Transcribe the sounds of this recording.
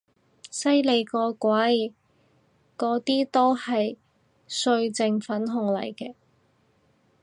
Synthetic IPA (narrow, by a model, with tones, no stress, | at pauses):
sɐ˥jle˨˧jkɔː˧kʷɐ˨˥j | kɔː˨˥t̪iː˥t̪o˥whɐ˨j | sɵ˧ɥt͡sɪ˧ŋfɐ˨˥nɦʊ˨˩ŋlɐ̰˨˩jkɛː˧